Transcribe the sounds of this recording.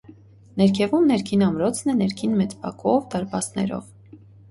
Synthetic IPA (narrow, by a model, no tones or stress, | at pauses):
nɛɾkʰɛvumnɛɾkʰinɑmɾɔt͡sʰnɛnɛɾkʰinmɛt͡spɑ̰kʰɔvd̪ɑɾpɑsnɛ̰ɾɔ̰v